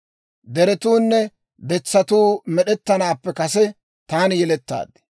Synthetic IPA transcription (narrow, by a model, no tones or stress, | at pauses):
d̪ɛɾɛt̪uːnːɛ | b̪ɛt͡sːɐt̪uːmɛɗɛt̪ːɐnaːpːɛkɐsɛ | t̪aːnjɛlɛt̪ːa̰ːd̪̚ɪ̥